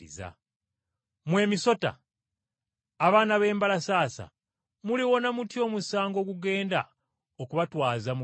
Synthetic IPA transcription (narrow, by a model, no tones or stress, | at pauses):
ḭza̰ | mwe̞ːmiso̞ta̰ | βaːnaβe̞ːmbalasaːsa̰ | muliwo̞namutjo̞musaːŋɡo̞ːɡuɡe̞ːnda | okuβatwaːzamu